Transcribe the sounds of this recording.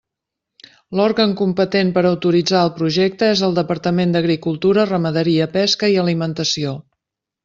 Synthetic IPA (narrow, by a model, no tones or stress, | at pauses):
lɔɾɣəŋkumpət̪empəɾəwt̪uɾid͡zaəlˠpɾuʒɛk̚t̪əezəlˠd̪əpəɾt̪əmend̪əɣɾikulˠt̪uɾərəməðəɾiəpɛskəiəlimənt̪əsio